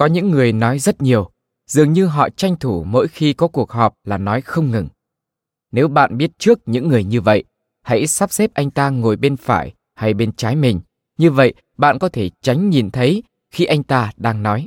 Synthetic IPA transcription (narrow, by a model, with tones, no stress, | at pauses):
kɔ˨˦ɲɨ̰˧˥ŋːɨ˨˩əjnɔ˨˦jzə˦˥t̚ɲi˨˩əw | z̥ɨ˨˩əŋɲɨ˧ɦɔ̰˧˨t͡ɕa˧jŋ̟t̪ʰu˧˩mo̰˧˥jxi˧kɔ˨˦ku˨˩ək̚hɔ˨˩p̚laː˨˩nɔ˨˦jxə˧wŋ͡mŋɨ˨˩ŋ | ne˨˦wɓa̰ː˧˨nɓi˦˥ət̚t͡ɕɨ˦˥ək̚ɲɨ̰˧˥ŋːɨ˨˩əjɲɨ˧və̰˧˨jʔ | ha̰˧˥jsa˦˥p̚se˦˥p̚ʔa˧jŋ̟t̪aː˧ŋo˨˩jɓe˧nfa̰ː˧˩j | ha˧jɓe˧nt͡ɕaː˨˦jmï˨˩ŋ̟ | ɲɨ˧və̰˧˨j | ɓa̰ː˧˨nkɔ˨˦t̪ʰe˧˩t͡ɕa˨˦jŋ̟ɲi˨˩nt̪ʰə˨˦j | xi˧ʔa˧jŋ̟t̪aː˧ɗaː˧ŋnɔ˨˦j